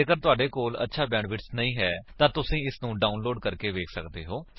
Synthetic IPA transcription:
eːkəɾt̪ʊaːɖeːkoːlə̰tːʃʰaːbɛ̃ːɳɖʋɪʈsnəĩːɦɛːt̪ãːt̪ʊsĩːɪsnũːɖaːʊnloːɖkəɾkeːʋeːkʰsə̰kd̪eːɦoː

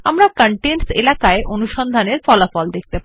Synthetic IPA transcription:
amɾakaɳʈenselakaeʔonuʃɔnd̪ʱaneɾfɔlafɔld̪ek̚t̪epa

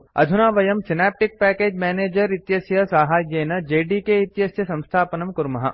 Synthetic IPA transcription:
ɐ̰d̪ʱunaːʋɐjɐmsɪnɛːp̚ʈɪk̚pɛːkeːd͡ʒmɛːneːd͡ʒɐɾit̪jɐsjɐsaːɦaːjjeːnɐd͡ʒeːɖikeit̪jɐsjɐsɐ̃mst̪ʰaːpɐnɐmkʊɾmɐɦɐ̰

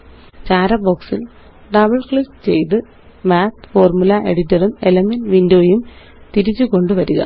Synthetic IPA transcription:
t͡ɕaːɾɐboksil | ɖɐbɐɭkɭist͡ɕe̞jt̪̬ɨ | maːt̪fo̞ːrmulɐʔe̞ɽitːɐrumelɐmenʋindoːjum | t̪iɾit͡ɕːuko̞ɳɖɨʋɐɾuɣɐ̰

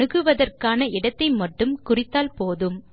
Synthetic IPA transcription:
ɯɣɯʋɐðɐrkaːnɐʔɪɽɐt̪ːɐɪmɐʈːɯmkʊrɪt̪ːaːlpoːðɯm

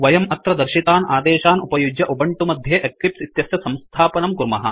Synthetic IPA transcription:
ʋɐjɐmɐt̪ɾɐd̪ɐɾʃit̪aːnaːd̪eːʃaːnupɐjud͡ʒjɐʔubɐɳʈumɐd̪ʱjeːʔeklipsit̪jɐsjɐsɐ̃mst̪ʰaːpɐnɐmkuɾmɐɦɐ̰̆

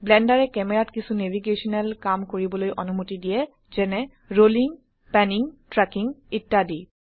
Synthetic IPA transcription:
blɛndaɹɛkɛmɛɹatkisunevʱiɡesɔnɛlkamkoɹibɔlojʔɔnumutidijɛ | z̥ɛnɛ | ɹoliŋ | pɛniŋtɹɛkiŋitːadi

